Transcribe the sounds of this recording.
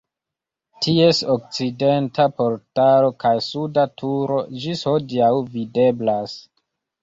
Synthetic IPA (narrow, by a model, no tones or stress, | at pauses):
tʰie̞sok̚t͡side̞ntapo̞ɾtalo̞kajsudatʰuɾo̞d͡ʒishodiawvide̞blas